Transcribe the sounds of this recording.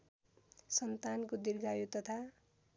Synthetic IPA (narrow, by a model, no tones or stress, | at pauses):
sʌnt̪ankod̪irɡajut̪ʌt̪ʰa